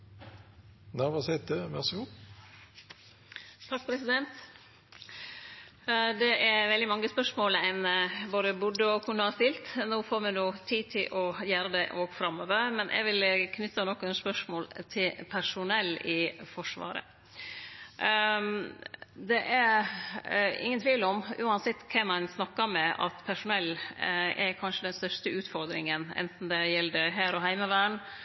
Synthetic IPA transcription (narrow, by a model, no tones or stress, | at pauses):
næʋɑsɛt̪əmɛsu | t̪ʰɑk̚ːpʰɾɛsɪd̪ɛnt̪ | d̪ɛʔæɾʋɛld̪ɪmɑŋːəspœʂmoːlɛnnəboːd̪əbʊɖəɔkʰʉnːəhɑst̪ɪlt̪noːfoːɾmɛnuːt̪ʰiːt̪ʰɪlʔɔjæːɾəd̪ɛʔoːɡfɾɑmoːʋəɾmɛnʔɛ̰ɡʋɪlkʰnʏt̪ːənɔkːɛnspœʂmoːlt̪ʰɪlpʰæʂʊnɛlːɪfɔʂʋɑ̰ːɾə̰ | d̪ɛʔæɾ | ɪ̰ŋːənt̪ʰʋiːʋləɔmʉːɑnsɛt̪ːkʰɛmɑnsnɑkːəɾmɛʔɑ̰t̪pʰæʂʊnɛlːæɾkʰɑnʂəd̪ɛnst̪œʂt̪əʉːt̪fɔɾd̪ɾɪŋənɛ̰nt̪n̩d̪ɛjɛlːd̪əɦæːɾɔɦæɪməʋæːɳ